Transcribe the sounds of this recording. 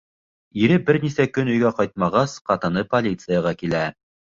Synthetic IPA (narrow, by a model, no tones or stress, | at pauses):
iɾɘbɘɾnisækɵnɵ̆jɡæqɑjt̪̚mɑʁɑsqɑt̪ɤ̆nɤpolʲit̪sɨjɑʁɑkilæ